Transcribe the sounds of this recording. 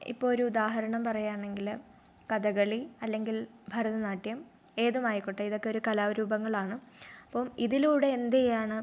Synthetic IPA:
ḭpːo̞ːɭoɾuud̪aːɦɐɾɐɳɐmpɐrɐjːaːɳe̞ŋɡil | kɐðɐɣɐɭiɐlːe̞ŋɡil | bʱɐɾɐðɐnaːʈːjɐm | e̞ːðumaːjikːoʈːɐiðo̞kːe̞oɾukɐlaːʋɾuːbɐŋːɐɭaːɳɨɐpːoːmiðiluːɽe̞ːnd̪ejaːɳɨ

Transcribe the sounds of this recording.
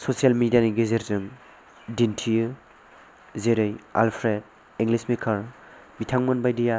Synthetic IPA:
sosijalmidijaniɡezeɾzɯŋ | dintʰijɯ | zeɾɯja̰lpʰɾed̚ | iŋɡlismikʰaɾ | bitʰaŋmɔnbajdija

